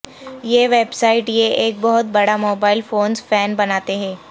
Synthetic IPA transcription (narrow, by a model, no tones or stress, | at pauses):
jeːʋeːbsaːɪʈjeʔeːk̚bɐɦʊt̪̚bɐɽamoːbaːɪlfoːnzfɛːnbɐnaːt̪eɦɛ̃ː